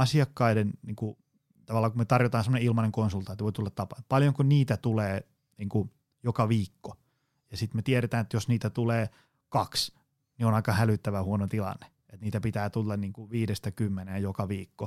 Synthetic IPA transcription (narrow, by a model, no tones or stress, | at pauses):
ɑsiɑkːɑidenniːŋku | t̪ɑʋɑlːɑːkumet̪ɑrjot̪ɑːnsemoneilmɑneŋkonsult̪ɑˑnt̪ʋoit̪ulːɑt̪tɑpɑ̰pɑljoŋkunniːt̪æt̪uleː | niːŋku | jokɑʋiːkːo̥ | jɑsit̪met̪ieɾet̪æːnet̪josniːt̪æt̪uleː | kɑks | nionɑikɑhælyt̪ːæʋæhuonot̪ilɑ̰nːe̥ | et̪niːt̪æpit̪æːt̪ulːɑnniːŋkuʋiːdest̪ækymːenejokɑʋiːkːo